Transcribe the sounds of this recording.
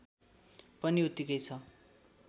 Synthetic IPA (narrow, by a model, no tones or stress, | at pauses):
pʌniut̪ikʌjt͡sʰʌ